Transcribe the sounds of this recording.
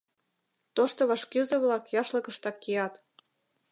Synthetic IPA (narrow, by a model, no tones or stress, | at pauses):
t̪oʃt̪oβɑʃkyzɤ̆βlɑkjɑʃlɤ̆kə̆ʃt̪ɑkːijɑt̪